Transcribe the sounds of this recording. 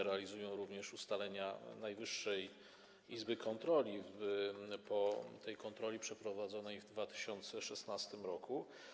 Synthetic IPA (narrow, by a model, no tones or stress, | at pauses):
ɾɛalʲizujɔ̃w̃ɾuvɲɛʂust̪alɛɲanajvɘʂːɛj | izbɘkʰɔnt̪ɾɔlʲibɘpɔt̪ɛjkɔnt̪ɾɔlʲipʂɛpɾɔvad̪zɔnɛjvd̪vat̪ɘ̥ɕɔnt̪sɛʂɛsnast̪ɘmɾɔku